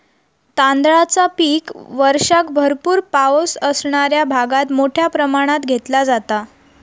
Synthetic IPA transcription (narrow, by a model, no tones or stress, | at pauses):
t̪ãnd̪ɭat͡sapiːkʋəɾʂakbʱəɾpuːɾpaosəsɳaɾjabʱaɡat̪moʈʰjapɾəmaɽ̃at̪ɡʱet̪lad͡zat̪a